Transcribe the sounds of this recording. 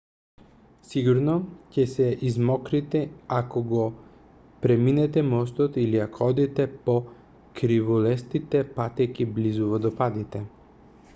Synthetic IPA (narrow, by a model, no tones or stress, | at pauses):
siɡuɾnɔcɛsɛʔizmɔkɾit̪ɛakɔɡɔ | pɾɛminɛt̪ɛmɔs̬t̪ɔt̪iliakoɔd̪it̪ɛpo | kɾivulɛst̪it̪ɛpat̪ɛkiblizuvɔd̪ɔpad̪it̪ɛ